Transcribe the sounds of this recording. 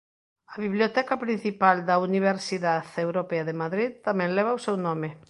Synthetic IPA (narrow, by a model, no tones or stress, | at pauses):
ɐβiβljot̪ɛkɐpɾin̟θipald̪ɐuniβ̞eɾsiðaðewɾopeɐðemaðɾiðt̪amɛ̃ŋlɛβ̞ɐusewnɔmɪ